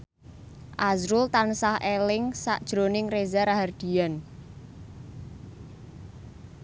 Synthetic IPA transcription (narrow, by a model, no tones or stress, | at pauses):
ʔazɾʊlt̪ansahelɪŋsa̰ʔd̥ʒ̥ɾonɪŋrezaɾaɦard̪̥i̤an